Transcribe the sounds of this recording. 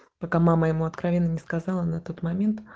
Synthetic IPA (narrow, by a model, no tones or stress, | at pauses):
pɐkamaməjɪmuɐt̪kɾɐvʲe̞nːənʲɪskɐzɑlˠənɐt̪o̞t̪mɐmʲe̞nt̪